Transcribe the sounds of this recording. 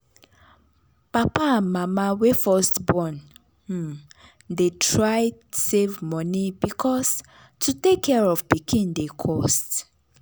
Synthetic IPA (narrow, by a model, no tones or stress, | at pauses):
papãmamawefɔstbɔ̃n̩ | detʰɹaɪsevmɔnibikʰɔs | tʰutekʰːɛɹɔvbikʰĩndekʰɔst